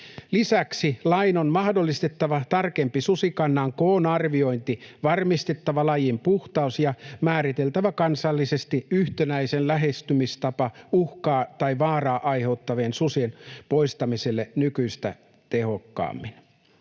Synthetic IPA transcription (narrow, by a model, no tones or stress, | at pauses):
lisæksilɑinonmɑhdolːist̪et̪ːɑʋɑt̪ɑrkempisusikɑnːɑŋkoːnɑrʋio̞int̪iʋɑrmist̪et̪ːɑʋɑlɑjimpuht̪ɑusjɑmæːɾit̪e̞lt̪æʋækɑnsɑlːisest̪iyht̪enæisenlæɦest̪ymist̪ɑpɑuhkɑːt̪ɑiʋɑːrɑːʔɑiheut̪ːɑʋeːnsusinpo̞ist̪ɑmiselːenykyist̪æ̰ | t̪eho̞kːɑ̰ːmːin